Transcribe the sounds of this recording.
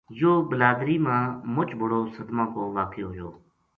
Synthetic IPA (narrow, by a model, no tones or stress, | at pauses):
joːbəlaːd̪ɾiːmãːmʊt͡ʃbʱʊɽoːsəd̪mãːkoːʋaːkʰeːɦoːd͡ʒoː